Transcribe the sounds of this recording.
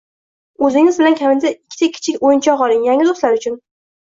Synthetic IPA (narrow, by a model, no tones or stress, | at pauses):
ɵzɪŋɪzbɪlankʲʰamɪnd̪aɪkʲʰːɪ̥t̪ʰakʲʰːɪ̥t͡ʃʰɪkʲojɪnt͡ʃʰɒqɒlˠɪŋjaŋʲɪd̪oslaɾʊt͡ʃʰʊn